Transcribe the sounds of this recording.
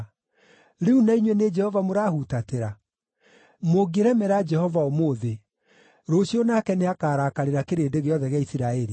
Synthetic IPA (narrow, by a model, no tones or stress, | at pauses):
ɾeunaiɲwɛned͡ʒɛhɔvamoɾaːhutateɾa | moɡeɾɛmɛɾad͡ʒɛhɔvaomoðe | ɾoɕjonakɛneakaːɾakaɾeɾakeɾeːdeɣeɔðɛɣeaisiɾaɛɾi